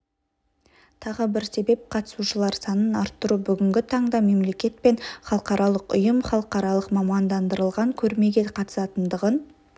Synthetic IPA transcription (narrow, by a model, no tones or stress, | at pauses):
t̪ʰɑʁəbɪɾse̞be̞p̚qʰɑt̪ə̥suʃəlˠɑɾsɑnənɑɾt̪ːʊɾubʏɡʲɪŋɡʲɪt̪ʰɑɴd̪ɑme̞mle̞kʲe̞t̪̚pe̞nχɑlˠəqɑɾɑlˠəqʊ̰jəmχɑlˠəqɑɾɑlˠəqmɑmɑnd̪ɑnd̪əɾəlˠʁɑŋkʲʰɵɾme̞ɡʲeqʰɑt̪ə̥sɑt̪ənd̪əʁən